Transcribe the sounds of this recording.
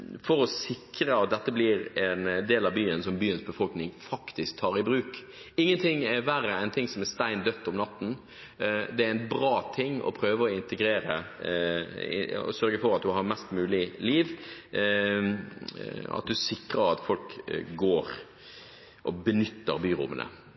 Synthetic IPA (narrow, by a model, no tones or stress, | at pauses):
fɔɾɔsɪkɾəɑt̪̚d̪ɛt̪ːəblɪɾɛnd̪eːlɑʋbyːənsɔmbyːənsbəfɔlknɪŋfɑkt̪ɪsk̚t̪ʰɑːɾɪbɾʉːk | ɪŋːənt̪ʰɪŋːɛʋæɾəɛɪnt̪ʰɪŋsɔmɛst̪æɪnd̪œt̪ːɔmnɑt̪ːn̩ | d̪ɛæɾɛt̪bʁɑːt̪ʰɪŋːɔ̰pʰɾøːʋəɔɪnt̪əɡɾeːɾə̰ | ɪ̰ɔ̰sœɾɡəfɔɾɑt̪̚d̪ʉɦɑɾmɛst̪mʉːlɪliːʋ | ɑ̰t̪̚d̪ʉsɪkʁəɾɑt̪fɔlkɡoːɾ | ʔɔbənʏt̪ːəɾbyːɾʊ̰mːə̰nʔə̰